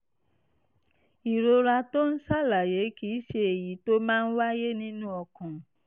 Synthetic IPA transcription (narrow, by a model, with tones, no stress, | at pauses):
i˨ɾo˧ɾa˧to˦n̩˦sa˦˨la˨je˨˦ki˨˦ʃe˧e˨ji˨˦to˦mãː˦n̩˦wa˦je˦nĩ˦nũ˦ɔ˧kɔ̃˨